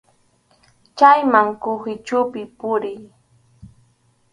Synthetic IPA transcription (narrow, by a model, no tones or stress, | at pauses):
t͡ʃajmaŋkʊhɪt͡ʃʊpɪpʊɾɪj